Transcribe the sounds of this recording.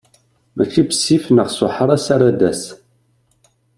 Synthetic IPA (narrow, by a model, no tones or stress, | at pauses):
mæçːibəsifnəʁsʊħəɾˤæsaɾˤad̪æs